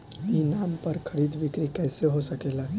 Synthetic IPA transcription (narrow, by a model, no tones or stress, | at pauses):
jinaːmpəɾkʰəɾiːd̪bʱɪkɾikɛːseɦosəkeːlaː